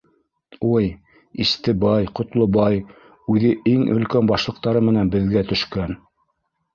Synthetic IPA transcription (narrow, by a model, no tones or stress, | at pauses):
uj | ist̪ɘbɑjqŏt̪lˠobɑj | ʉðɘʔiŋɵ̰̆lkænbɑʃlˠɤ̆q̚t̪ɑɾɤmɘ̆nænbɘ̆ðɡæt̪ɵ̆ʃkæn